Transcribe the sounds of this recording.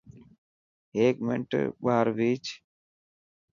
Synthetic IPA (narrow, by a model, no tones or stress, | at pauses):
eːkmɪ̰ɳʈbaɦəɾʋiːt͡ʃ